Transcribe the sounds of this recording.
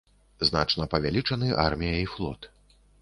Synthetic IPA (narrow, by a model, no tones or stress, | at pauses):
zna̰t͡ʂnɐpɐvʲalʲit͡ʂɐnɨʔa̰rmʲijɐiflˠɔ̰t̪